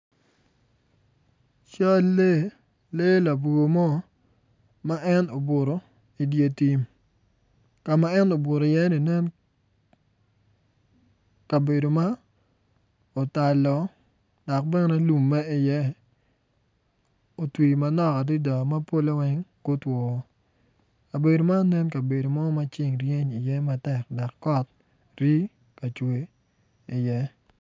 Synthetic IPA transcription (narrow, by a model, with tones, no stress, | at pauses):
t͡ʃa˦lːe˦ | le˦la˨bo˨mɔ˦ | ma˦ʔɛ˦no˨bo˨ɾo˨ | i˨dje˦ti˦m | ka˨ma˦ɛ˦no˨bo˨ɾo˨jɛ˦ni˨nɛ˦n | ka˨be˨do˨ma˦ | o˨ta˨lɔ˨ | d̥ɔ˨k̚bɛ˦nɛ˦lu˨mːɛ˦ɪ˨jɛ˦ | o˨twi˨ma˨nɔ˨ka˨di˦dɔ˨ma˦po˦lo˦wɛ˦ŋko˦twɔ˨˦ | a˨be˨do˨ma˦nɛ˦nka˨be˨do˨ma˦ma˦t͡ʃɪ˦ŋɾje˦ɲi˨jɛ˦ma˦tɛ˨k̚dɔ˨kːɔ˦t̚ | ɾi˦ | ka˨t͡ʃwe˨ | i˨jɛ˦